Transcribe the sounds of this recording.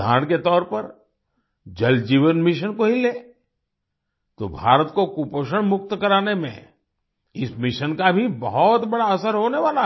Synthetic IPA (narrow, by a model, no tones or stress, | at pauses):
aːɽ̃ket̪ɔːɾpɐɾ | d͡ʒɐld͡ʒiːʋənmɪʃənkoɦileː | t̪o̰bʱa̰ːɾət̪kokupoːʃəɽ̃mʊk̚t̪kɐɾaːnemḛ̃ | ɪsmɪʃənkabʱibɐɦɔt̪bɐɽaɐsəɾɦoːneʋaːla